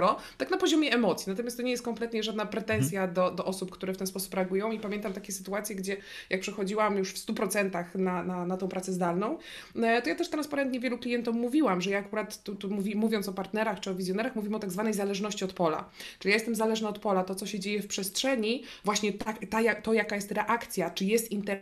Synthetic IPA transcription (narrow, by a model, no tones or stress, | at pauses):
ɾɔt̪aknapɔʑɔmʲjɛɛmɔt̪sʲjinat̪ɔmʲjast̪ːɔɲejɛst̪kɔmplɛt̪ɲɛʐad̪napɾɛt̪ɛnsʲjad̪ɔd̪ɔʔɔsupkt̪uɾɛft̪ɛnspɔsu̥pɾɛaɡujɔ̃w̃ipamʲɛnt̪amt̪akʲɛsɘ̥t̪uat̪sʲjɛɡd͡ʑɛ | jak̚pʂɛxɔd͡ʑiwamjuʂfst̪upɾɔt̪sɛnt̪axnananat̪ɔ̃w̃pɾat̪sɛzd̪alnɔ̃w̃ | t̪ɔjat̪ɛʂt̪ɾanspaɾɛnt̪ɲɛvʲjɛluklʲijɛnt̪ummːuvʲiwamʐɛjaːkuɾat̪ːut̪umuvʲimuvʲjɔntsɔpaɾt̪nɛɾaxt͡ʂɨɔvʲizʲjɔn̪ɛɾaxmuvʲimɔt̪aɡzvanɛjzalɛʐnɔɕt͡ɕiɔt̪pɔla̰t͡ʂɨlʲijajɛst̪ɛmzalɛʐnaɔt̪pɔlat̪ɔt̪sɔɕɛd͡ʑejɛfpʂɛstʂɛɲivwaɕɲɛt̪at̪ajat̪ɔjakajɛst̪ɾɛʔakt̪sʲjat͡ʂɘjɛst̪int̪ɛ